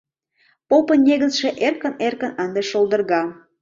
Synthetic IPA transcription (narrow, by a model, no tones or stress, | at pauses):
popənʲeɣət͡sʃeʔerkə̆nerkə̆nɑnd̪eʃold̪ərɣɑ